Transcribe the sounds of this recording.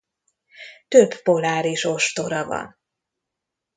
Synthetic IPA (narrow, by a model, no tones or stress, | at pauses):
t̪øbpo̞laːɾiʃo̞ʃt̪o̞ɾɒvɒ̰n